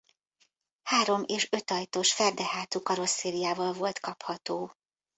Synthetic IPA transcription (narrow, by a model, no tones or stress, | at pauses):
haːɾo̞meːʃø̞t̪ɒjt̪oʃfɛrd̪ɛhaːt̪ukɒɾo̞sːeːlijaːvɒlvo̞lt̪kɒphɒt̪oː